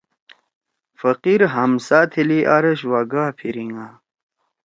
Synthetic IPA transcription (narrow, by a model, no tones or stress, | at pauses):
fəqiɾɦɐmsaːt̪ʰiliʔaɾɐɕwaɡaːpʰiɾiŋaː